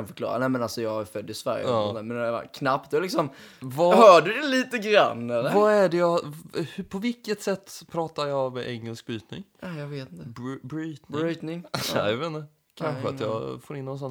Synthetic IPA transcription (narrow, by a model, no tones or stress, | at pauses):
anfœ̥klɑ̰ːɾa̰nɛmɛnalsɔjɑːɡfœd̪ːɪsvæ̰ɾj̰ɔsɔnæːmɛna̰kʰnap̚t̪ɛɛlɪksɔmvahœːɖɵd̪ɛliːt̪əɡɾa̰nːɛlːəɾvaæɖɛjɑhpʰɔvɪkːət̪sɛt̪ːpʰɾɑːt̪aɾjɑmɛʔɛŋːɛlsk̚byːt̪̚nɪ̰ŋajɑɡveːt̪ɪnt̪əbɾiːt̪bɾiːt̪nɪŋɛjaveːnːə | kʰanɧəa̰jɑ̰ːfoːɾɪnːɔnsɔn